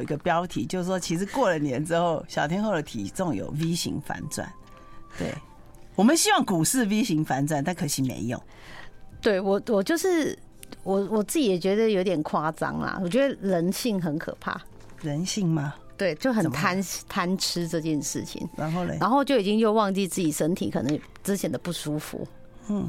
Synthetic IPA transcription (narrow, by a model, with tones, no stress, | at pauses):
i˧˥ɡə˧pjɑ˦˥ʊt̪ʰi˨˩˦t͡ɕjo˥˧ʊʂ̩˥˩ʂwɔ˥t͡ɕʰi˧˥ʂɻ̩˧˥kwɔ˥˩lə˩njɛ˧˦nʈ͡ʂɻ̩˦xo˥˩ʊɕjɑ˨˩ʊt̪ʰjɛ˥nxo˥˩ʊd̪ə˨˩t̪ʰḭ˨˩t͡so˥˨ŋjo̰˨˩ʊwi˦ɕḭ˧˥ŋfa̰˧˥nt͡swa̰˥˩n | t̪wḛ˥˩ɪ | wɔ˨˩mə˨nɕi˥wɑ˥˩ŋku˨˩ʂɻ̩˥˧wi˦˥ɕi˧˥ŋfa˧˥nt͡swa˥˨nt̪a˥˩nkʰɤ˨˧˥ɕi˨˥mḛ˧˦ɪjo̰˥˩˦ŋ | t̪we˥˩ɪwɔ˨˩wɔ˨˩t͡ɕjo˥˧ʊʂɻ̩˥˩ | wɔ˨˩wɔ˨˩t͡sɹ̩˥˩t͡ɕi˨˩jɛ˨˩t͡ɕɥɛ˧˥d̪ə˧jo˧˥ʊt̪jɛ˨˩nkʰwa˥t͡sɑ̰˥ŋlɐ̰˨wɔ˨˩t͡ɕɥɛ˧˥d̪ə˧ɻə˧˥nɕi˥˩ŋxə˧˦nkʰɤ̰˨˩pʰa̰˥˩ | ɻə˨˦nɕi˥˩ŋma˨˧ | t̪we˥˩ɪt͡ɕjo˥˩ʊxə˨˩nt̪ʰa˥nt̪ʰa˥n̩ʰ˥ʈ͡ʂɤ˥˧t͡ɕjɛ˥˧nʂɻ̩˥˩t͡ɕʰḭ˨˦ŋ˧˦˥a˧˥nxo˥˧ʊt͡ɕjo˥˩ʊi˨˩t͡ɕi˥ŋt͡ɕjo˥˧ʊwɑ˥˧ŋt͡ɕi˥˧t͡sɹ̩˥˩t͡ɕi˨˩ʂə˥nt̪ʰḭ˨˥kʰɤ˨nɤ˧˦ŋ | ʈ͡ʂɻ̩˥t͡ɕʰjɛ˨˩nd̪ə˨˩pu˥˩ʂu˥fṵ˨˧˦ | n̩˥˩